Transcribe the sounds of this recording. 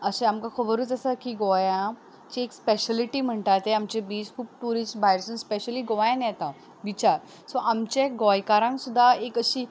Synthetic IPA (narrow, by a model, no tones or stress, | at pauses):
əɕẽamkãkʰobəɾuːt͡səsəkiɡɔjã | t͡ɕiekspeɕəliʈiːm̤əɳʈat̪eamt͡ɕebiːd͡zkʰuːp̚ʈuɾisʈbʱajɾsə̃nspeɕəliːɡoʋajnjɛt̪ã | ʋit͡ɕaɾ | sɔʔamt͡ɕeɡɔjkaɾãŋksud̪ʱːaekəɕiː